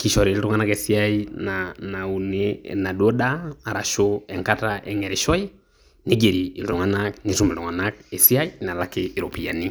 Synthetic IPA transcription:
ki˨ʃɔɾi˨li˦ɾo˦ŋa˦na˦kɛsi˦ainanau˨nena˨do˦daː˦˨ɾaʃoɛŋkataʔɛŋɛɾeʃɔi˦ | ne˦ɡe˨ɾiː˨leɾo˨ŋanaknitu˦me˨ɾo˨ŋa˨nakɛ˨si˦a˦ina˨lakeː˨ɾopi˨ani˦

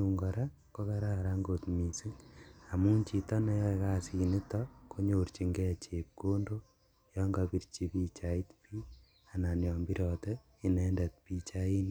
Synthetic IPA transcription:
uŋɡɔ˨ɾa˦ | ko˦ka˦ɾa˦ɾa˦ŋɡo˨tmi˨si˦a˨mu˦nt͡ʃi˨tɔ˦ne˦jɔ˦ka˦si˨ni˦tɔkʰo˦ɲo˨ɾt͡ʃi˨ŋɡɛ˦t͡ʃe˨p̚ko˦ndo˦ | jɔŋɡapi˨ɾt͡ʃi˦pi˦t͡ʃa˨i˦tpi˦ | a˨na˨njɔ˨mbi˦ɾɔ˨tɛ | i˨nɛ˦ndɛ˨t̚pit͡ʃai˦n

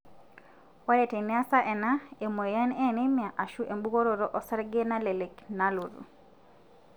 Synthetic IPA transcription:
wa˦le˨te˨nja˦sa˦ʔɛ˨na˦e˨mo˨ja˦nɛ˦ne˦mja˨ʔa˨ʃu˦ʔe˨mbu˦ko˦ɾo˨ɾɔ˦ʔɔ˦sa˦ɾɡe˦na˦le˨le˨kna˦lu˨ɾṵ˨

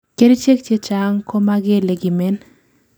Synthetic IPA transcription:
ke˦ɾe˦t͡ʃe˦k̚t͡ʃje˦t͡ʃa˨ŋko˦ma˦ɡe˦le˨ɡi˨mɛ˦n

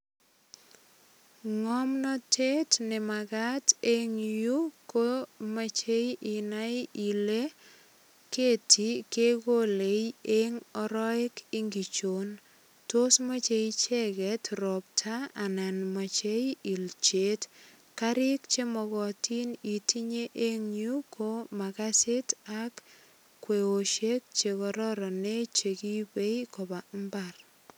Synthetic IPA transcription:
ŋɔ˦mnɔ˦tʰe˦tnɪ˨maɡateŋju˦komat͡ʃe˦jʔi˨na˦ji˨le | ke˦tʰi˨ke˦ɡo˦le˨ieŋɔɾɔ˦ɪ˦kɪ˦ŋɡi˨t͡ʃo˨n | to˦sma˦t͡ʃe˦t͡ʃe˦kɛ˨tɾɔ˨p̚tʰa˦a˨na˨nma˨t͡ʃe˦ji˨lt͡ʃe˨˦t | kaɾɪ˦kt͡ʃe˦mɔɡɔ˨ti˦ni˨ti˦ɲe˦ʔe˦ŋɲu˦kʰo˦ma˨kase˦tak | kːwe˨o˨ʃe˦k̚t͡ʃe˨kɔɾɔɾɔ˨ne˦t͡ʃe˨ki˦be˦jkɔ˨ba˨mbar

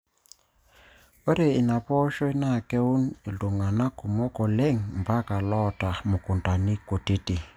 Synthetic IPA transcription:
o˦ɾe˨i˨na˨pɔ˦ʃɔ˦i˦na˦˨kɛ˦u˦ni˨ldu˨ŋa˨na˦ku˨mɔ˦kɔ˨lɛ˦ŋm˨ba˦ka˨lɔ˦ta˨mu˨ku˨nta˨ni˦ko˨ti˦ti˨

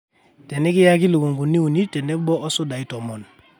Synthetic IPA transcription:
tɛ˨nɛ˦ki˦ja˦k̬i˦lu˨ɡo˨ŋɡu˨nːi˦u˨ni˦tɛ˨nɛ˦bɔ˦ɔ˦so˦da˨i˦tɔ˨mɔ˨n

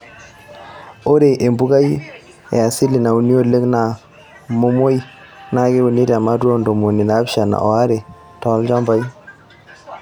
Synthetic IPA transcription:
o˦ɾe˨ʔe˨mbu˦ɡa˦i˦ | ɛ̰˨a˨si˦li˨na˨u˨ni˦o˦le˦kna˨ | mo˦mo˦i˦ | na˦ɡe˦u˨ni˦ɾe˨a˨ma˦twɔ˦ndo˨mo˨ni˨naː˨˦pʃa˨na̰˨ʔɔ˨a˦ɾe˨ | tɔ˨˦ld͡ʒa˦mba˦i˦

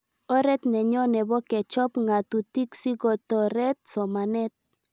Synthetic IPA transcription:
ɔ˦ɾɛ˦t̪nɛ˨ɲɔ˦nɛ˨bɔ˦kɛ˨t͡ʃɔ˦pŋa˨t̪u˨ti˦ksi˦ɡɔ˨t̪ɔ˨ɾɛ˦t̪̚sɔ˨ma˨nɛ˦t̪̚

